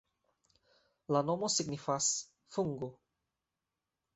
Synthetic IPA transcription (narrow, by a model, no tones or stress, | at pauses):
lano̞mo̞siɡnifas | fuŋɡo